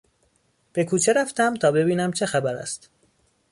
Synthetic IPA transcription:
b̥e̞kʰuːt͡ʃʰe̞ɾæft̪æmt̪ʰɒːbe̞biːnæmt͡ʃʰe̞xæbæɾæ̰st̪

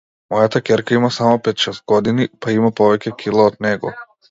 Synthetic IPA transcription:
mɔjat̪akʲɛɾkaimasamɔpɛt̪ʃɛst̪̚ɡɔd̪inipaimapɔvɛcʲɛkʰʲilˠaɔd̪nɛɡɔ̰

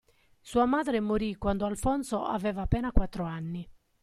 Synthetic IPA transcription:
suːamaːd̪ɾemoɾikwand̪oalfɔnt̪soa̰vɛːvaːpːɛːnakwat̪ːɾoanːi

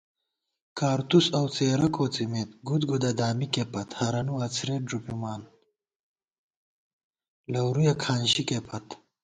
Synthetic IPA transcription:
kaːɾt̪usɐwt͡seːɾɐkoːt͡simeːt̪̚ɡut̪ɡud̪ad̪aːmikepɐt̪hɐɾɐnuat͡sʰɾeːɖupimaːn | lɐwɾujakʰaːnɕikepɐt̪

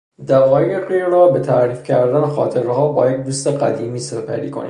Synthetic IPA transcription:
d̪ævɒːjejeqeːɾrɒːbe̞t̪ʰæɾiːfcʰæɾd̪ænexɒ̰ːt̪ʰe̞ɾɦɒːbɒːjek̚d̪uːst̪eɢæ̰d̪iːmiːsepʰæ̰ɾḭːkʰonḭː

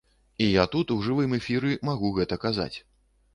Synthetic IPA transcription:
ijat̪ut̪uwʐɨvɨmɛfʲiɾɨmaɣuɣɛt̪ɐkaza̰t͡sʲ

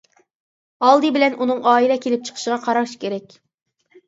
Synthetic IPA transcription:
ɑlˠd̪ɨbɪlɛnʔunɨŋɑːilɛkʲʰelɪp̚t͡ʃʰə̥qʰə̥ʃəʁɑqʰɑɾɑwʃkʲʰeɾɛkʲ

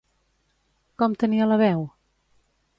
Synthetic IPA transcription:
kɔmt̪əniələβɛw

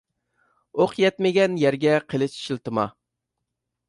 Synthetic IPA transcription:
oqjɛt̪mɪɡʲɛnjæɾɡʲɛqʰəlˠɨʃʃilˠt̪ɨmɑ̰

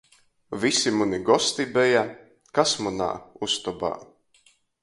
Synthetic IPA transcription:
visimuniɡɔst̪ibɛja | kasmuna̰ːust̪ɔba̰ː

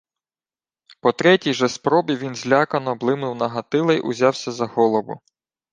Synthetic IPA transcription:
pɔt̪ɾɛtʲijʒɛspɾɔbʲiʋʲinzʲlʲakɐnɔblˠɪmnɪwnɐɦɐt̪ɪlˠɛjʔʊ̰zʲɑwsʲɐzɐhɔlˠɔʋʊ̰

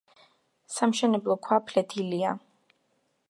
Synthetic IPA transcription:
samʃɛnɛblˠɔkʰwapʰlɛt̪ʰilia

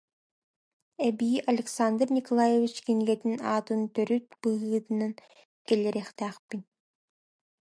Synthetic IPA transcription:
ɛbiːʔɐlʲɛksand̪rnʲikɔlˠajevʲit͡ʃkinɡɛt̪inaːt̪ɯnt̪œɾyt̪̚b̥ɯɯːt̪ɯnan | kɛlʲɛɾɛχt̪æːχpinʲ

